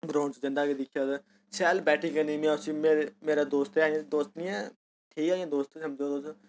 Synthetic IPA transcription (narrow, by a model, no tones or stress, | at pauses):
bɾõːɳt͡ʃd͡ʒɪ̃nd̪aːked̪ɪkʰijaːz | sɛːlbɛːʈʰikəniːmɛ̃ʊsiːmeːemeːɾaːd̪oːst̪ːaːãd̪oːst̪nĩːɛː | ʈʰiːkaːãːd̪oːst̪ĩsəmd͡ʒoːd̪oːs